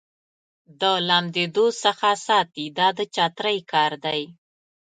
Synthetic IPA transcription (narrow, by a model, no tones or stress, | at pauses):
d̪əlamd̪ed̪osəxasɑt̪id̪ɑd̪ət͡ʃɑt̪ɾəjkɑɾd̪aj